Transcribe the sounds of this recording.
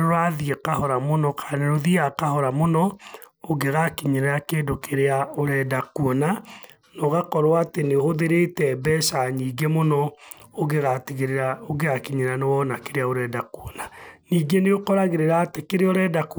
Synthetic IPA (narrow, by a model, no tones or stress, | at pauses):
ɾoɾaðiekahɔɾamonɔkʰaneɾoðiakahɔɾamonɔ | oɡeɣakiɲeɾejakeːdokeɾeaoɾɛːdakuɔna | nɔɣakɔɾwaatenehoðeɾetɛbɛʃaɲiːɡemonɔoɣeɣatiɣeɾeɾaoɡeɣakiɲeɾanewɔnakeɾeaoɾɛːdakuonaniːɡeneokɔɾaɣeɾeɾaːtekeɾeɔɾɛːdak